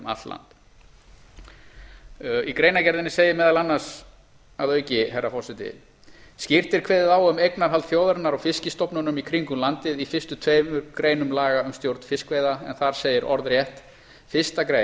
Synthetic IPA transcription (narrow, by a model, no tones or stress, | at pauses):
ma̰t̪la̰nt̪ | ikɾejnacɛɾðɪnɪseːjɪmɛːðalanːaɾ̥s | aðœːɥcɪɦɛrːafɔwsɪt̪ɪ̰ | scɪr̥t̪ɪɾkʰveːjðɪðaːwʏmejknaɾ̥ɦalt̪θjowðɛɾnaɾawfɪscɪst̪ɔwpnʏnʏmikʰɾiŋkʏmlant̪ɪðifɪst̪ʏt̪ʰvejmʏɾkɾeːjnʏmlaːɣaʏmst̪jowɾt̪n̥fɪskvejðaɛnθaɾ̥seːjɪɾʔɔ̰ɾðrjɛht̪ | fɪst̪akɾe